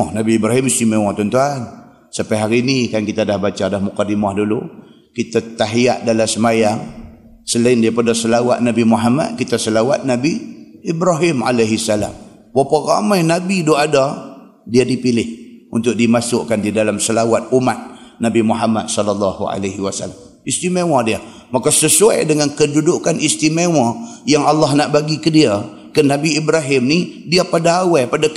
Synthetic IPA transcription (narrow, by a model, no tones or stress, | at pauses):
ɔhnabiːbɾaɦimisimewat̪ɔnt̪uan | sapajɦaɾiːnikankit̪adahbat͡ʃadahmukadimahdulu | kit̪at̪aɦia̰ʔdalasəmajaŋ | səlaɪndiapərdasəlawa̰t̪̚nabimuɦama̰t̪̚kit̪asəlawa̰t̪̚nabiːbɾaɦɪma̰lajɦisːala̰m | wapara̰majnabidoada | diadipilɪhunt̪ʊk̚dimasʊʔkandidalamsəlawat̪̚umat̪̚nabimuɦama̰d̪̚sɔlalːɑhṵa̰laɦiwasa̰la̰m | ist̪imewadia | makasəsua̰jdəŋankədudukanist̪imewajaŋalːahnaʔbaɡikədia | kənabiibɾaɦɪmnidiapadaawapada